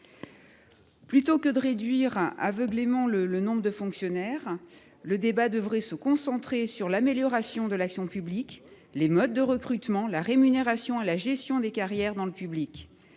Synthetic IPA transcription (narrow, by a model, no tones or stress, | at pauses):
plyt̪okəd̪əʁed̪ɥiʁa̰vəɡlemɑ̃lələnɔ̃bʁəd̪əfɔ̃ksjɔnɛʁ | ləd̪ebad̪əvʁɛsəkɔ̃sɑ̃t̪χesyʁlameljɔʁasjɔ̃d̪əlaksjɔ̃pyblik | lemɔd̪ːəʁəkχyt̪mɑ̃laʁemyneʁasjɔ̃elaʒɛst̪jɔ̃d̪ekaʁjɛʁd̪ɑ̃ləpyblikʲ